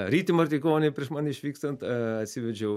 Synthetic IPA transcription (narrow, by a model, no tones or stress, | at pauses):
ɾʲiːt̪ʲɪmɐrʲt̪ʲikoːnʲepʲɾʲiɛʃmɑnɪʃʲʋʲiːkst̪ɐnt̪ɐt̪ʲsʲiʋʲɛd͡ʒʲɛʊ